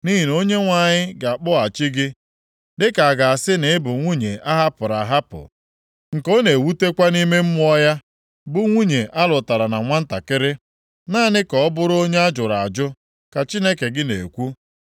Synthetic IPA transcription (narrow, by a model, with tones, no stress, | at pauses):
ni˦ɦi˨n˦o˦ɲe˦ŋʷa˨ɲɪ˦ɡa˨a˨k͡pʊ˦a˨t͡ʃɪ˦ɡɪ˦ | dɪ˦ka˨a˨ɡa˨a˨sɪ˦nɪ˨ɪ˦bʊ˨ŋʷu˦ɲe˨a˦ɦa˦pʊ˨ɾa˨ɦa˦pʊ̰˨ | ŋ̩˨ko˦ne˨wu˦te˦kʷa˦ni˦me˦m̩˦mʊ˦ɔ˦ja˦ | bʊ˨ŋʷu˦ɲe˨ʔa˦lʊ˨ta˨ɾa˨na˨ŋʷa˦n̩˦ta˨kɪ˦ɾɪ˦ | naː˦nɪ˦kɔ˨ɔ˦bʊ˦ɾʊ˦o˦ɲe˦a˦d͡ʒʊ˨ɾa˨a̰˨d͡ʒʊ˦ | ka˨t͡ʃi˦ne˦ke˨ɡɪ˦nḛ˨kʷu˦